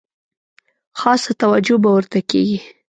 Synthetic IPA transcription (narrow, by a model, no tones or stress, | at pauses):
xɑsat̪awad͡ʒobawəɾt̪akḛɡi